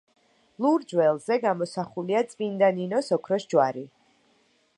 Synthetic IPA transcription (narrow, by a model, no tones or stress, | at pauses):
lˠuɾd͡ʒwɛlˠzɛɡamɔsaχuliat̪sʼvind̪aninɔsɔkʰɾɔsd͡ʒwaɾi